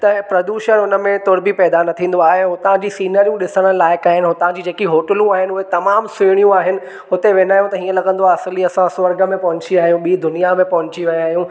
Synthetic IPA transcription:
t̪ɐpɾɐd̪uːʃənʊnə̆mẽt̪oːɾbʱipɛːd̪anɐt̪ʰĩːn̆d̪oaːɦeɦʊt̪ɐʋ̤ãd͡ʑisiːnəɾijũɗɪsəɽ̃əlaːɪkaːɦɪnɪɦʊ̃t̪ɐʋ̤ãɲd͡ʑid͡ʑeːkiɦoːʈəlũaːɦɪnɪʊɦet̪ɐmaːmsʊɽ̃ijũaːɦɪnɪ̆ | ɦʊt̪eʋeːnaːjũt̪ɐɦiːə̃lɐɡə̃nd̪oaɐsɪliɐsãsʋɐɾɡə̆mẽpɐɦʊ̃ɲt͡ɕiaːɦijũɓiːd̪ʊnijamẽpɐɦʊ̃ɲt͡ɕiʋɐ̃aːɦjũ

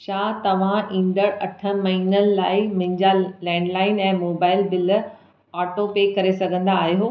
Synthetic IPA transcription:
ʃaːt̪ɐʋ̤ãʔĩːnd̪əɽɐʈʰə̆mɐɦiːnənɪ̆laːɪmɪ̃ɲd͡ʑalɛ̃ːɳɖlaːɪnɛ̃ːmoːbaːɪlbɪl | aːʈopeːkɐɾesɐɡʱə̃nd̪aːɦiɦoː

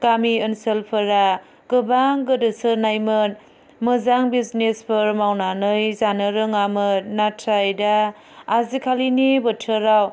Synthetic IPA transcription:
ɡ̥amiənsəlpʰɯɾa | ɡɯbaŋɡɯdɯsɯɾnajmɯn | mɯzaŋbiznespʰɯɾmawnanɯjzanɯɾɯŋamɯtnatʰɾajda | azikʰalinibətʰɯɾaw

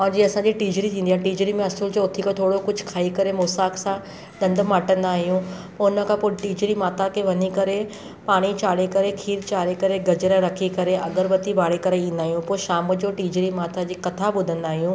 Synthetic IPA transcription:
ɔːɾd͡ʑiːɐsãd͡ʑiːʈiːd͡ʑɾit̪ʰĩːnd̪iãːʈiːd͡ʑɾimẽɐsuld͡ʑoʊt̪ʰikat̪ʰoːɽokʊd͡ʑʱkʰaːikɐɾemoːsaːksã | ɗ̪ɐ̃nd̪ʱmaːʈə̃nd̪aːɦijũ | poʊnə̆kʰãpoʈiːd͡ʑɾimaːt̪ʰakʰeʋɐɲikɐɾe | paːɽ̃it͡ɕaːɽekɐɾekʰiːɾt͡ɕaːɽekɐɾeɡɐd͡ʑɾəɾɐkʰikɐɾeʔɐɡəɾʋɐt̪ibaːɽekɐɾeĩːnd̪aːɦijũpoːʃaːm̆d͡ʑoːʈiːd͡ʑɾimaːt̪ʰad͡ʑiːkɐt̪ʰabʊd̪ʱə̃nd̪aːɦijũː

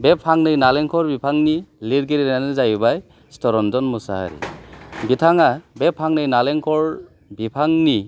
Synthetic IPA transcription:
bepʰːaŋnɯjnalɛŋkʰɔɾbipʰaŋniliɾɡiɾinanɯzajubaj | stɔɾɔndɔnmusa̰ha̰ɾḭbitʰaŋabepʰaŋnɯjnaleŋkʰɔɾ | bipʰaŋni

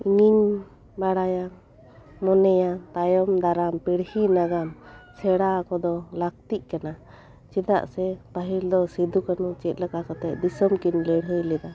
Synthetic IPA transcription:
iɲiɲ | baɽaja | mɔnɛjat̪ajɔmd̪aɾampiɽhinaɡamsɛɽakɔd̪ɔlak̚t̪iʔ̚kana | t͡ʃid̪a̰ʔsɛpaɦild̪ɔsid̪ukanut͡ʃɛt̪̚ləkakɔt̪ɛʔ̚d̪isɔmkinlɛɽɦɯjlɛd̪a

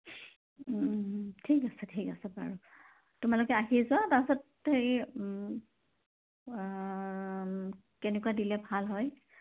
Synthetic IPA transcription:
tʰikasɛtʰikasɛpa̰ɹu | tʊmalʊkɛaɦizʊwatapsɔt̚ | xej | kɛnɛkuwadilɛbʱalɦɔj

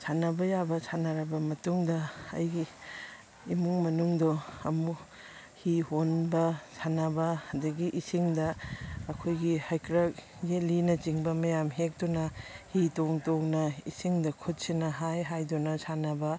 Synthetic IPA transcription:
sʰanɐbɐjabɐsʰanaɾɐbɐmɐtuŋdɐɐ̰jɡiː | muŋmɐnuŋdoɐmu | hihonbɐsʰanabɐɐduɡiʔisiŋdɐɐkʰojɡihajkɾɐk̚ | d͡ʒelinɐt͡ʃiŋbɐmɐjamɦek̚dɔnɐhitoŋtoknɐḭsiŋdɐkʰut̚sinɐɦajɦajdɔnɐsʰanabɐ

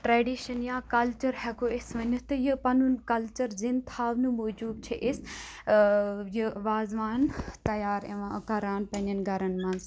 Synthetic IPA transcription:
ʈɾeːɖiːʃɐnjãːkɐlt͡ʃɐɾhɛɡoɪsʋɐɲut̪ɐjɐpɐnunkɐlt͡ʃəɾzint̪ʰaːʋnũmoːd͡ʒuːb̪̚t͡ʃʰeʔɪs | juʋaːzʋaːnt̪ɐjaːɾɐʋãkɐɾaːnpɐ̃nɐnɡʱɐɾɐnmãːns

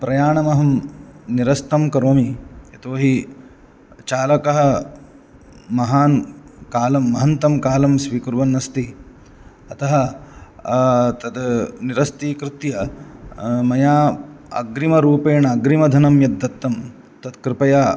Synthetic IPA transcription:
pɾɐjaːɳɐmɐɦɐmniɾɐst̪ɐmkɐɾoːmiet̪oːɦi | t͡ʃaːlɐkɐɦɐ̆ | mɐɦaːnkaːlɐmːɐɦɐnt̪ɐmkaːlɐmsʋiːkuɾʋɐnːɐst̪i | ɐt̪ɐɦɐ̆ | t̪ɐd̪niɾɐst̪ikɾɪt̪jɐ | mɐjaːɐ̰ɡɾimɐɾuːpeːɳɐɐɡɾimɐd̪ʱɐnɐmjɐd̪ːɐt̪ːɐm | t̪ɐd̪kɾɪpɐjaː

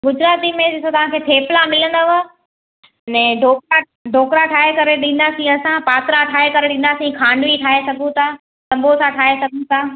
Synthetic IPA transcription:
ɡʊd͡ʑɾaːt̪imẽɪsõt̪ɐʋ̤ãkʰeːt̪ʰeːplamɪlə̃nd̪aʋa | nɛ̃ɖʱoːkɾa | ɖʱoːkɾaʈʰaːɦekɐɾeɗĩːnd̪aːsĩɐsãpaːt̪ɾaʈʰaːɦekɐɾeɗĩːnd̪asĩkʰaːnʋiʈʰaːɦesɐɡʱũt̪ʰa | sɐ̃mbʱosãʈʰaːɦesɐɡʱũt̪ʰaː

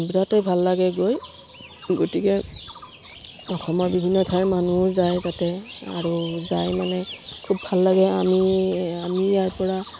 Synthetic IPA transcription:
biɹatejbʱalːaɡɛɡoj | ɡotikɛ | ɔxɔmɔɹbibʱinːɔtʰajmanuzajtatɛa̰ɹuzajmanɛkʰubʱalːaɡɛamiamijajpɔɹa

